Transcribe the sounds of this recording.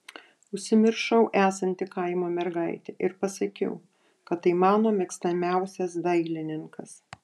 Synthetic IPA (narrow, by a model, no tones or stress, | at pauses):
ʊʃʲsʲɪmʲɪɾʃɐʊʔæːsɐnʲt̪ʲɪkɐɪmoːmʲɛɾɡɐɪt̪ʲɛʔɪɾpɐsɐkʲɛ̰ʊ | kɐt̪ːɐɪmɑːnoːmʲɛkst̪ɐmʲæˑʊsʲɛsd̪ɐɪlʲɪnʲɪŋkɐs